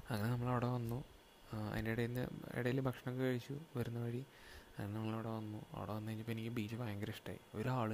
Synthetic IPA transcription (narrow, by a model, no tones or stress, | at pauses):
ɐŋːɐne̞nɐmːɐɭɐʋɽoʋɐnːu | ɐ̰ðindeɽɐjinːɨ̰ḭɽɐjilbʱɐkʂɐɳɐkːɨkɐɻit͡ɕːuʋɐɾunːɐʋɐɻi | ɐŋːɐnenɐmːɐɭɐɽeʋɐnːuɐ̰ʋɽoːʋɐnːuet͡ɕːɨpːenikʲːɨbiːt͡ɕːɐfaːŋɡɐɾɐʂʈa̰ːjḭo̞ɾuaːɭu